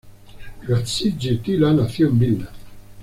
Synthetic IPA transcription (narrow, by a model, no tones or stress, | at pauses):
ɡat͡sid͡ʒit̪ilanaθjombina